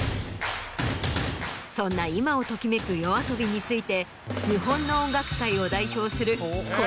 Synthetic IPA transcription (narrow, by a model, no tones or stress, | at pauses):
sõ̞nːaimao̞t̪o̞kʲime̞kɯ̟jo̞aso̞bʲiɲ̟it͡sɨit̪e̞ | ɲiɦõ̞nːo̞õŋɡakɯ̟̥kaio̞d̪aiçʲo̞ːsɨɾɯ̟